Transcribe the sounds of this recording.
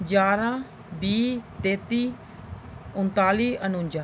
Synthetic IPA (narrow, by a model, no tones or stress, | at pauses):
d͡ʒaːɾãː | biːt̪eːt̪iː | ʊnt̪aːliːʔənʊɲd͡ʒaː